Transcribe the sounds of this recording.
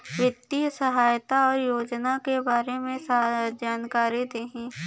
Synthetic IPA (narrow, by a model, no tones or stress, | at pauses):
ʋɪt̪ːisɐɦaːjt̪aɔːɾjoːd͡ʒnakebaːɾemẽsd͡ʒaːnkaːɾid̪eːɦɛ̃ː